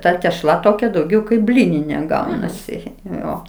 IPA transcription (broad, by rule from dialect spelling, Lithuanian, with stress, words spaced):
ˈtɐ tʲɛʃˈlˠɐ toːˈkʲɛ dɐʊˈɡʲɛʊ kɐɪp ˈbʲlʲiːnʲɪnʲeː ˈɡɐʊnɐsʲɪ ˈjoː